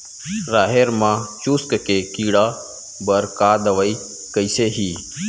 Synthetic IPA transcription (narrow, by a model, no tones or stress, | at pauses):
ɾaːɦeːɾmãːt͡ʃuːskkeːkiːɽaː | bəɾkaːd̪əʋəiː | kəiseːɦiː